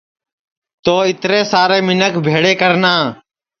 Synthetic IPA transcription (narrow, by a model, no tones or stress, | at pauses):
t̪oːɪt̪ɾeːsaːɾeːmɪnəkbʱeːɽeːkəɾnaː